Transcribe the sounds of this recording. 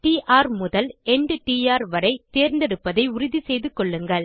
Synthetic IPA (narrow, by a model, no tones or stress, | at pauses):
ʈiːʔaːɾmʊðɐlɛnɖʈiːaːɾʋɐɾɐɪt̪eːɾnd̪ɛɽɯpːɐðɐɪʊɾɪðisɛjðɯkːɔɭːɯŋɡɐɭ